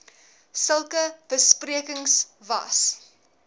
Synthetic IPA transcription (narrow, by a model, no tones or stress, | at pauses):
səlˠkəb̥əspriəkəŋsvɐ̰s